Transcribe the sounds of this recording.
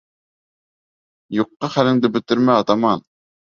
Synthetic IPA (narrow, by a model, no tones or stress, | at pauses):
joqːɑχælɪŋd̪ɪbɪt̪ːɪɾmɛɑt̪ɑmɑn